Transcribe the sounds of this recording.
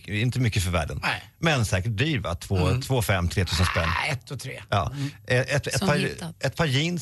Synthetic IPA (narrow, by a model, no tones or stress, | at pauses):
ɪnt̪əmʏkːəfœɾvæ̰ːɖən | mɛnsɛːkəʈ̚b̪ɾiːɾva̰t̪ʰvoːt̪ʰvoːfɛmːt̪ʰɾeːt̪ʰʉːsənspɛnːɛt̪ʰːɔt̪ʰɾḛːjɑ̰ːɛɛt̪ɛpʰɑɛt̪̚pʰɑːɾjiːn